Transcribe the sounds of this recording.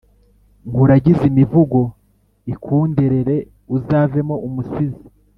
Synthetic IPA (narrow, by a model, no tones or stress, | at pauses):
ŋɡuɾaɟizimivuɡo̞ | ikʰuːndeɾe̞ɾe̞ | uzaːve̞mo̞ʔumusizi